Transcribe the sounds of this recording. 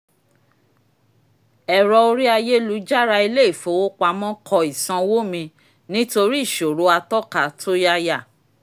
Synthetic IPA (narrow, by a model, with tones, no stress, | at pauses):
ɛ˨ɾɔ˧o˧ɾi˦a˧je˦lu˨˦d͡ʒa˦ɾa˧i˧le˦i˦˨fo˨˦wo˦k͡pa˧˦mɔ̃˦kʰɔ˧i˨sã˧wo˦mĩ˧ | nĩ˦to˧ɾi˦˨ʃo˨ɾo˨˦a˧tɔ˦ka˨tʰo˦ja˧ja˦˨